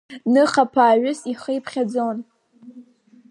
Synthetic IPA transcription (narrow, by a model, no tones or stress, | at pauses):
nɨχapʰaːɥʊsiχəjpʰχʲad͡zon